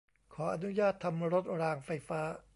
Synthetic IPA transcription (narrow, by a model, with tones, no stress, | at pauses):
kʰɔː˩˦ʔa˧nu˦˥jaː˥˩t̪ʰa˧mɾo˦˥t̪̚ɾaː˧ŋfa˧jfaː˦˥